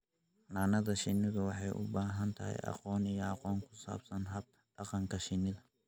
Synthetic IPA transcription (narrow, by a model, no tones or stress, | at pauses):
naːnɐðɐʃɪnɪðʊwɑħɑjʔʊ̰baːɦɐnt̪ʰɐɦɛ̰jɑ̰qɔːnijɔɑqɔːŋkʰʊ̥sa̰ːbsɐnɦɐb̚ | ɖɑqɑŋkʰɐʃɪnɪðɐ